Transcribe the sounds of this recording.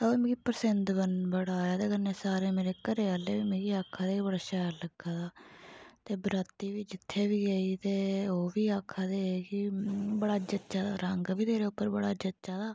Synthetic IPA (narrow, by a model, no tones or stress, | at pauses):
t̪aomːɡipəɾsɪnd̪bənbəɽaːjaːt̪eːkənẽːsaːɾeːmeːɾeːkəɾeːəːlːeːʋiːmẽːɡiːaːkʰːaːd̪eːiːbəɽaːʃaːɾləɡaːd̪aːt̪eːbɾat̪ːiːʋiːd͡ʒɪt̪ʰːeːʋiːɡəiːt̪eːoːʋiːaːkʰːaːd̪eːekɪbəɽaːd͡ʒət͡ʃaːd̪a̰ːɾəŋɡʋiːt̪eːɾeːʊpːəɾbəɽaːd͡ʒətːt͡ʃaːd̪aː